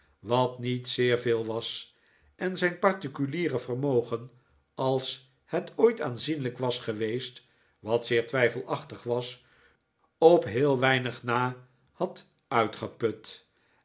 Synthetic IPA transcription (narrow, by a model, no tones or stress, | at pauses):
ʋɑtnitsɪːɹvɪːlˠʋɑs | ʔɛnzɛjnpɑɹtikyliːrəvərmowχən | ɑlˠs | hɛtʰoːjtaːnzinləkʋɑsχəʋejst | ʋɑtsɪːɹtʋɛjfəlˠʔɑχtəχʋɑs | ɔpɦɪːlˠʋɛjnəχnaː | hɑt | œɥtχəpɵt